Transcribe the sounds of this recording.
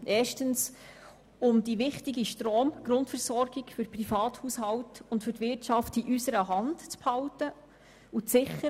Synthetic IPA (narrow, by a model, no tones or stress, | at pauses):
ʔɛːʃtəns | ʊmdiʋɪχtɪɡiʃtɾoːmɡ̥ɾʊntfɛɾsɔɾɡɪɡfʏɾprifɑːthuːshɑwtʊntfʏtʋɪtt͡ʃɑftiʔysəɾəɦɑntt͡sphɑltə | ut͡sɪχə